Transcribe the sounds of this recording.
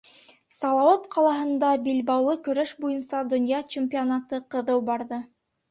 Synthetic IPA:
sɑlˠɑwɑt̪qʰɑlˠɑɦɤ̆nd̪ɑbilbɑwlˠɤkɵ̆ɾæʃbujɤnsɑd̪ŏnjɑt͡ɕemʲpʲionɑt̪ɤqɤ̆ðɤwbɑɾðɤ

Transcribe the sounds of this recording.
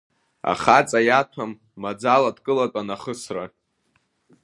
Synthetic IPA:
a̰χat͡sʼajatʷʰamː | ad͡zaladkʼɨlatʷʼanaχəsra

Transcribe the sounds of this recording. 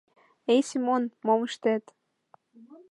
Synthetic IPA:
ejsimonmoməʃt̪et̪

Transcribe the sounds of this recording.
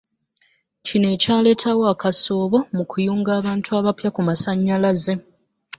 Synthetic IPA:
cine̞ːcaːle̞ːtʰawoakaso̞ːβo̞mukujuːŋɡaːβaːntʰuaːβapjakumasaɲːalaze̞

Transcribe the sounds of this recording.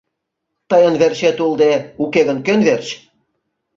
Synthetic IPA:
t̪ɤjə̆nβerɕet̪ulˠd̪eukeɣə̆nkønβerɕ

